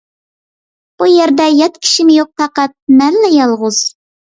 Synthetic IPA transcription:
b̥ujeɾd̪ɛjɑt̪̚kʲʰi̥ʃɪmɪjoq̚t̪ʰɑqɑt̪̚mælːɛjɑlˠʁʊz̥

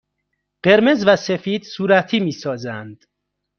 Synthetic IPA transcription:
ɢ̥e̞ɾme̞zvæsefiːd̪̥suːɾæt̪ʰiːmiːsɒːzænd̪̥

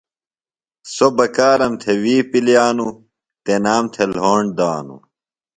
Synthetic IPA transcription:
sobɐkaːɾɐmt̪ʰewiːpiljaːnu | t̪enaːmt̪ʰelɦoːɳɖd̪aːnṵ

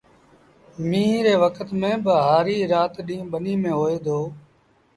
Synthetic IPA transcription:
mĩːɾeːʋəkʰət̪mẽːbəɦaːɾiːɾaːt̪ɗĩːɓəniːmẽːɦoːeːd̪oː

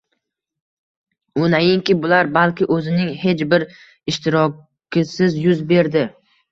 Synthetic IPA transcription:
ʊnajɪŋkʲɪbʊlaɾbalˠkʲɪʔɵzɪnɪŋhe̞t͡ʃbɪɾ | ɪʃt̪ɪɾɒ | kʲʰɪsɪzjʊzbe̞ɾd̪ɪ

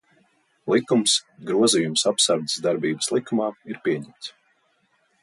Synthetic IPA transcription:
lˠikumsɡɾuɔzijumsapsaɾd̪ə̥sd̪aɾbiːbəslˠikumaːiɾpʲiɛɲɛmt̪s

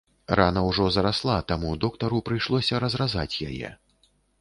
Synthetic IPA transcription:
ranɐwʐɔzɐɾaslˠat̪amud̪ɔkt̪ɐɾupɾɨjʂlˠɔsʲɐɾɐzraza̰t͡sʲja̰jɛ̰

